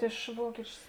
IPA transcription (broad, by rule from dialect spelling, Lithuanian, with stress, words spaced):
ɪʃ ˈʋuɔkʲɪt͡ʃʲʊs